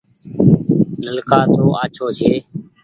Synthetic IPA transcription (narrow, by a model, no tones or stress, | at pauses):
nəlkaːt̪ʰoːʔaːt͡ʃʰoːt͡ʃʰeː